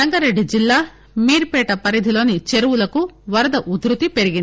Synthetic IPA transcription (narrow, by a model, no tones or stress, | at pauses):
ɐŋɡɐɾe̞ɖːid͡ʒilːaː | miːɾpɛːʈɐpɐɾid̪ʱilo̞ːnit͡ʃe̞ɾuwulɐkuʋɐɾɐd̪ɐʔud̪ɾut̪ipe̞ɾiɡind̪i